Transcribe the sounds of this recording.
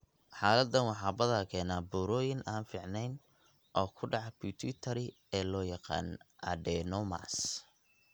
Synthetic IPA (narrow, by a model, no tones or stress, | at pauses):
ħaːlɐd̪ːɐnwɑħɑːbɐðaːkʰɛːnaːbuːɾɔːjɪnʔaːnfɪʕnɛjn | ʔɔːkʰʊɖɑʕbit̪ʰit̪ʰɐɾɪ | ɛːlɔːjɑqɑ̰ːnʔɐ̰d̪ɛːnɔma̰s